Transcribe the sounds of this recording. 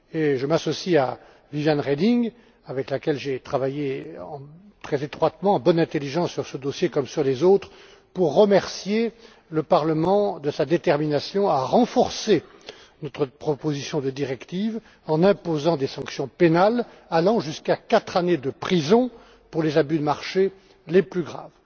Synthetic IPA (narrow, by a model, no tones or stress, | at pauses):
eʒəmasɔsia | vivjanʁed̪iŋ | avɛklakʲɛlʒet̪χavajeɑ̃ | t̪χɛzet̪χwat̪mɑ̃ːbɔnɛ̃t̪eliʒɑ̃sːyʁsəd̪osjekɔmsyʁlezot̪χ | puʁːəmɛʁsje | ləpaʁləmɑ̃d̪əsad̪et̪ɛʁminasjɔ̃aʁɑ̃fɔʁse | nɔt̪χəpχɔpozisjɔ̃d̪əd̪iʁɛkt̪iv | ɑ̃nɛ̃pozɑ̃d̪esɑ̃ksjɔ̃penal | alɑ̃ʒyskakat̪χaned̪əpχizɔ̃ | puʁlezabyd̪əmaʁʃe | leplyɡʁa̰ːv